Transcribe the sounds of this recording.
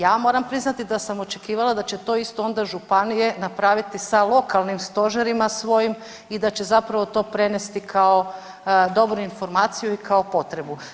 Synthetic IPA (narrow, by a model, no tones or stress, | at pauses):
jaːmo̞ːɾampɾiznat̪id̪asamo̞t͡ʃe̞kiːʋalˠad̪at͡ɕe̞t̪o̞ːist̪oo̞nd̪aʒupanije̞napɾaːʋit̪isalˠo̞kalˠnimst̪o̞ʒeɾimasʋo̞jim | id̪at͡ɕe̞zapɾaʋo̞t̪o̞ːpɾe̞nest̪ikʰao̞ | d̪o̞bɾuinfo̞ɾmaːt̪sijuikaopo̞t̪ɾe̞bu